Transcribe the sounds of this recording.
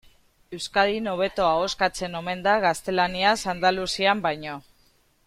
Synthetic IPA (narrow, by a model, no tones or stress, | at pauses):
e̞wskaðino̞β̞e̞t̪o̞aoskat͡se̞no̞me̞nd̪aɣast̪e̞laniasand̪alusiambajɲo̞